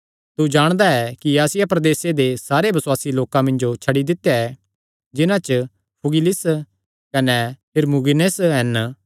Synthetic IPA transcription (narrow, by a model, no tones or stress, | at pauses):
t̪ud͡ʒaːɽ̃d̪aɛkiaːsɪjapɾɐd̪eːsed̪esaːɾebɐswaːsiloːkãmɐ̃nd͡ʒot͡ʃʰɐɽid̪ɪt̪ːjaɛ | d͡ʒɪnãt͡ʃə | pʰʊɡɪlɪs | kɐnɛpʰɪɾmuɡɪnesɦɛn